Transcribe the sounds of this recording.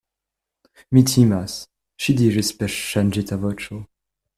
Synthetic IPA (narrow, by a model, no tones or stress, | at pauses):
mit̪ʰimas | ʃid̪iʐespɛʃːand͡ʒit̪ʰavɔt͡ʃo